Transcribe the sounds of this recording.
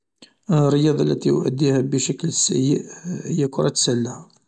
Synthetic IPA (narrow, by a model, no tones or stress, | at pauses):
rˤːəjɑd̪ˤɑlːæ̰t̪ijʊ̰ʔæ̰d̪ːihæbəʃæklsjʔhəjːækʊɾˤɑt̪sælːæ